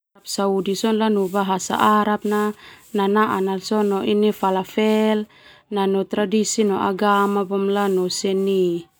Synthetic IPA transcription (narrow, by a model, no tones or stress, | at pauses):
ap̚saudisɔnlanubaɦasa̰ʔaɾap̚nananaʔanalsɔnɔʔinifalafɛl | nanɔt̪ɾadisinɔʔaɡamabɔmlanɔsɛni